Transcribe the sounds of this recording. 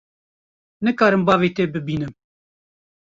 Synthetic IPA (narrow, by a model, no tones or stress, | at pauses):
nɨkɑːɾɨmbɑːviːt̪eːbɨbiːnɨm